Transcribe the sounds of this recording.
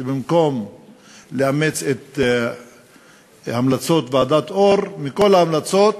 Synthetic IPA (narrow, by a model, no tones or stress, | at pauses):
bimko̞m | leamet͡set̪ | hamlat͡so̞t̪vead̪at̪o̞ʁmiko̞laamlat͡so̞t̪